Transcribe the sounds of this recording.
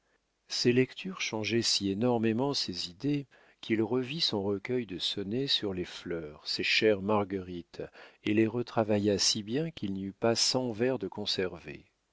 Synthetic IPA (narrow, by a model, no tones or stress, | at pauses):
selɛkt̪ʰyʁʃɑ̃ʒɛsienɔʁmemɑ̃sezid̪e | kʰʲilʁəvisɔ̃ʁəkʲœjd̪əsɔnesyʁleflœːʁseʃɛʁmaʁɡəʁit̪eleʁət̪χavajasibjɛ̃kʰilniypasɑ̃vɛʁd̪əkɔ̃sɛʁvḛ